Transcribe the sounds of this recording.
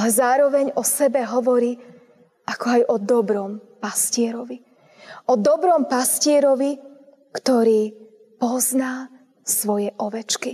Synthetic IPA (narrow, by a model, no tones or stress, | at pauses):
lɛzaːɾɔʋɛɲɔsɛbɛɦɔʋɔɾiː | ʔakɔajʔɔd̪ɔbɾɔmpascɪɛɾɔʋi | ɔd̪ɔbɾɔmpascɪɛɾɔʋi | kt̪ɔɾiː | pɔznaː | sʋɔjɛʔɔʋɛt͡ʃki